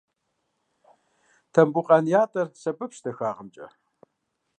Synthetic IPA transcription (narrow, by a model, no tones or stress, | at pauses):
tʰɐmbuqʼɐnjaːtʼɐrsɐbɨpʃtɐxaːʁəmt͡ʃʼɐ̰